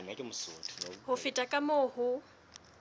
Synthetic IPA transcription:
ŋakʼɪmʊsotʰnhʊfɪtʼakʼamoːhʊ

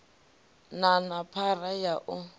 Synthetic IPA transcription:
nanapʰarajaʔʊ

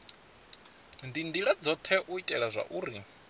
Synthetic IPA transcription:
ndindiɺad͡zɔt̪ʰɛʔuitʼɛɺazʷa̰ʔuːɾi

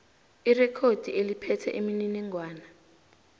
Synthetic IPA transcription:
irɛkʰod̥ʱielipʰɛtʰɛ̰ʔimininɛŋwaːna

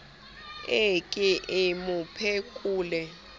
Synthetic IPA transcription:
ekʼiʔɪmupʰekʼuːlɛ

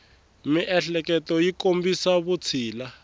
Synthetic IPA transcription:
miʔɛɬɛk̬ɛtɔjikombisaβut͡sʰiːla

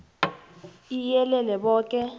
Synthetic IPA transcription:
ijɛlɛlɛɓɔːk̬ʼɛ

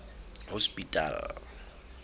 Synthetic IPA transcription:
hospʼitʼa̰l

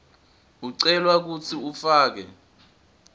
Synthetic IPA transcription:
uǀɛlwak̬ut͡sʰiufaːk̬ɛ̰

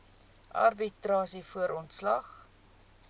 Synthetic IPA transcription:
ʔɐ̰rbitrɑːsifuəɾʔɔntslɐχ

